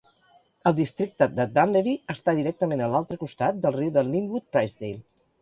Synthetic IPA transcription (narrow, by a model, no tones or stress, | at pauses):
əlˠd̪ist̪ɾik̚t̪əd̪əd̪anleβiəst̪aðiɾɛk̚t̪əmenəlalˠt̪ɾəkust̪at̪̚d̪əlˠriwðəlˠːiŋbut̪̚pɾajzðejl